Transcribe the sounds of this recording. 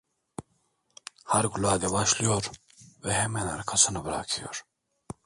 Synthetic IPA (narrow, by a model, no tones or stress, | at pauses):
hɐɾɡulaːd̪ebaɕlijoɾ | weɦemenɐ̰ɾkʰɐsɐnɐbɾa̰ːkʰijo̰ɾ